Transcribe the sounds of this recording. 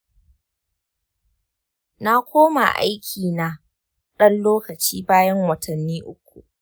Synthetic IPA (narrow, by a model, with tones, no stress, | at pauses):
na˦kʷoː˦ma̰˨ʔa̰˦jkʲʰiː˨na˨ | ɗɐ˦nloː˦kɐ˨t͡ʃiː˦baː˦jɐ˦ŋwɐ˨tʰɐ˨nːiː˦ʔʊ˦k̚ʷṵ˨ʔ